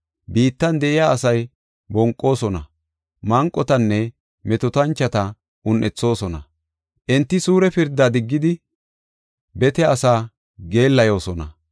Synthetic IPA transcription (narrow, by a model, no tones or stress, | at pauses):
biːt̪ːɐnd̪ɛʔɪjaːɐsɐj | bɔŋkʼːo̞ːsɔnɐ̰ | mɐŋkʼːɔt̪ɐnːɛ | mɛt̪ɔt̪ɐnt͡ʃːɐt̪ɐ | ʔʊnʔɛt͡sːo̞ːsɔnɐ̰ | ʔɛnt̪ːɪsuːɾɛpɪɾd̪ːad̪ɪɡːɪd̪ɪ | bɛt̪ɛɐsaː | ɡe̞ːlːɐjo̞ːsɔnɐ̰